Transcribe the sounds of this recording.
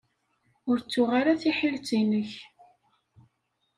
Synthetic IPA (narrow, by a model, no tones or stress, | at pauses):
ʊɾt͡sːʊʁaɾaθiħilt͡sinəç